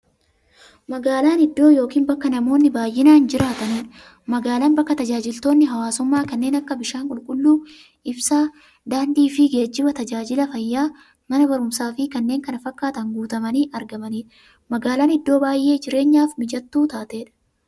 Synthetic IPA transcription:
mɐɡaːlaːnɪd̪ːo̞ːjo̞ːkiːnbɐkːɐnɐmo̞ːnːɪbaːjːɪnaːnd͡ʒɪɾaːt̪ɐniːᶑɐ̥ | mɐɡaːlaːnbɐkːɐt̪ɐd͡ʒaːd͡ʒɪlt̪o̞ːnːɪɦɐwaːsʊmːaːkɐnːe̞ːnɐkːɐbɪʃaːŋkʼʊlkʼʊlːuː | ʔɪbsaː | d̪aːnd̪iːfɪɡe̞ːd͡ʒːɪbɐt̪ɐd͡ʒaːd͡ʒɪlɐfɐjːaː | mɐnɐbɐɾʊmsaːfɪkɐnːe̞ːŋkɐnɐfɐkːaːt̪ɐŋɡuːt̪ɐmɐniːʔɐɾɡɐmɐniːᶑɐ | mɐɡaːlaːnɪd̪ːo̞ːbaːjʔe̞ːd͡ʒɪɾe̞ːɲːaːfmɪd͡ʒɐt̪ːuːt̪aːt̪e̞ːᶑɐ̥

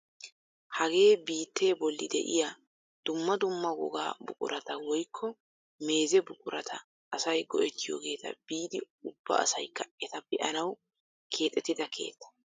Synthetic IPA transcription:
hɐɡe̞ːbiːt̪ːe̞ːbɔlːɪd̪ɛ̰ʔɪ̰ja | d̪̥ʊmːɐd̪ʊmːɐɡɔ̰ɡa̰ːbʊkʼʊ̰ɾɐt̪ɐwɔjkʰːɔ | me̞ːzɛbʊkʼʊɾɐt̪ʰɐ̰ | ʔːsɐjɡɔʔɛt̪ːɪjo̰ːɡe̞ːt̪ɐ̰b̥iːd̪ɪ | ʊb̥ːɐ̰ɐ̰sɐjkːɐɛt̪ɐpːɛʔɐnɐw | kʰe̞ːt̪ʼːɛt̪ːɪd̪ɐkʰe̞̰ːt̪ːɐ̥

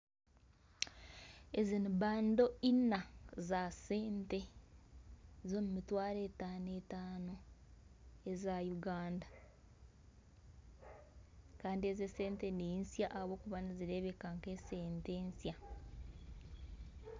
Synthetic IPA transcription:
eziniβaːndo̞inazase̞ːnte̞ | zoːmumitwaːɾe̞taːnetaːno̞ | ezajuɡaːnda | kaːndie̞zese̞ːnteneinsjaʔaβo̞ːkuβaniziɾe̞βekaŋkese̞ːnteːnsja

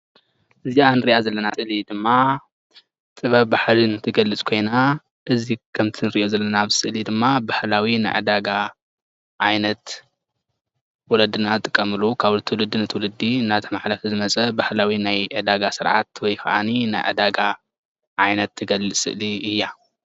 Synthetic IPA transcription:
ʔɨzianɨɾiʔazɐlːɐnaɨʔlid̪ɨmːa | t̪ʼɨβɐβbaħlinɨt̪ʰɨɡɐlːɨt͡sʼkʰo̞jna | ʔɨzikʰɐmt̪ʰinɨɾiʔozɐlːɐnaβsɨʔlid̪ɨmːabahlawina̰jʕɨ̰d̪aɡa | ʕajnɐt̪ | wɔlɐd̪ːɨnazɨt̪ʼɨkʼːɐmɨlukʰaβt̪ʰɨwlɨd̪ːinɨt̪ʰwlɨd̪ːinat̪ʰɐmaħlɐfizɨmɐt͡sʼɐbahlawinajʕɨd̪aɡasɨɾʕa̰t̪wɔjxɐʔa̰nina̰jʕɨ̰d̪aɡa | ʔajnɐt̪ʰːɨɡɐlɨsʼɨ̰ʔliɨjːa

